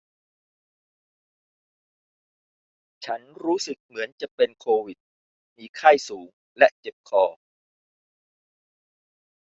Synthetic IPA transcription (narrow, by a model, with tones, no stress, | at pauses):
t͡ɕʰa˦˥nɾuː˦˥sɯ˨˩k̚mɯ˩˦ənt͡ɕa˨˩pe˧nkʰoː˧wi˨˩t̪̚ | miː˧˩kʰa˥˩jsuː˩˦ŋ | lɛ˦˥ʔt͡ɕe˨˩p̚kʰɔː˧˩